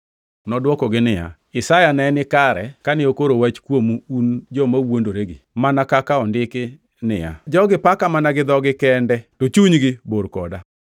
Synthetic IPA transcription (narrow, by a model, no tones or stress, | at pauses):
nɔdwɔkɔɡɪnɪja̰ | ɪsajanɛnɪkaɾɛkanɪokoɾowat͡ʃkwomuund͡ʒɔmawondoɾeɡɪmanakakaɔndɪkɪ | nɪ̰ja̰d͡ʒɔɡɪpakamanaɡɪd̪ɔɡɪkɛndɛtot͡ʃuɲɡɪboɾkɔda